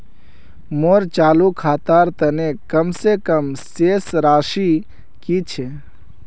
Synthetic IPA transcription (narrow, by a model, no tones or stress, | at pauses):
moɾt͡ʃaːlukʰaːt̪aːɾt̪ənekəmsekəmseːsɾaːʃi | kit͡ʃʰe